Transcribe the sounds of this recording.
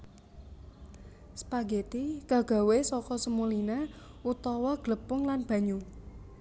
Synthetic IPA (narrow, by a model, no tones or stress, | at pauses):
sə̥paɡet̪iɡ̥a̤ɡ̥a̤wesɔkɔsəmulina | ut̪ɔwɔɡ̥ləpʊŋlanb̥ä̤ɲu